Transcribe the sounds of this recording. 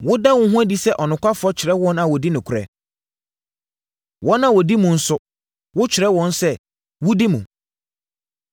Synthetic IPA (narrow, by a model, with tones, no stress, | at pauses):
wʊ˦da˦wʊ̃˦ɦũ˦æ˦di˦sɛ˦ʔɔ˨nʊ̃˨kʷʰa˦fʊ˨ɔ˦t͡ɕʰɪ˨ɾɛ˦wɔ̃˦nã˨wɔ˨di˦nɪ̃˨kʰʊ˨ɾɛ̰˨ | wɔ̃˦nã˨wɔ˨di˦mũ˨n̩˦sʊ˦ | wʊ˦t͡ɕʰɪ˨ɾɛ˦wɔ̃˦nsɛ˦ | wʊ˦di˦mṵ̃˨